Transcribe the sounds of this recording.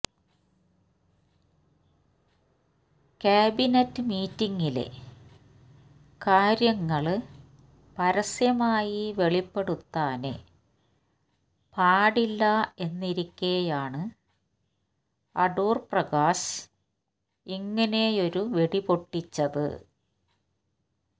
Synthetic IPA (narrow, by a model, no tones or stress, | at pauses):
kaːbinɐtːɨmiːtːiŋːilḛ | kaːɾjɐŋːɐɭ | pɐɾɐsjɐmaːjiʋe̞ɭipːe̞ɽut̪ːaːnḛ | paːɽilːɐe̞nːiɾikʲːejaːɳɨ | ɐɖuːrprɐɣaːɕ | iŋːɐne̞jo̞ɾuʋeɽipo̞ʈːit͡ɕːɐðɨ̰